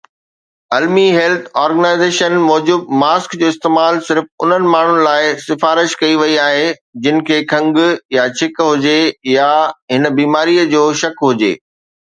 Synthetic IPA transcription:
ɐlmiɦɛːlt̪ʰɔːɾɡənaːɪzeːʃənmɔːd͡ʑʊb̪̚maːskd͡ʑoːɪst̪eːmaːlsɪɾfʊ̰n̤ənɪ̆maːɳ̤ʊnɪ̆laːɪsɪfaːɾɪʃkɐiʋɐiaːɦed͡ʑɪnɪ̆kʰeːkʰɐ̃ŋɡjat͡ɕʰɪkɦʊd͡ʑejaɦɪnə̆biːmaːɾiəd͡ʑoːʃɐkɦʊd͡ʑḛː

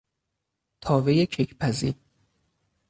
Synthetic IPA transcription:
t̪ʰɒːvejecʰecʰpʰæzḭːɾ

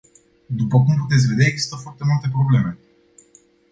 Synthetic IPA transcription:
d̪upəkumput̪et̪sʲve̞d̪aeɡz̥i̥st̪əfoart̪e̞mult̪e̞pɾo̞ble̞me̞

